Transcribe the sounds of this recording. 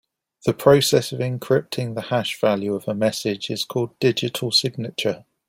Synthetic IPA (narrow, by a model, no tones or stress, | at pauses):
ðəpʰɹ̥əʊsɛsəvɪ̃ŋkʰɹ̥ɪp̚tʰɪ̃ŋðəhaʃv̥aljʉəvəmɛsɪd͡ʒɪz̥kʰɔːlˠddɪd͡ʒɪtʰəlˠsɪɡ̚nɪt͡ʃə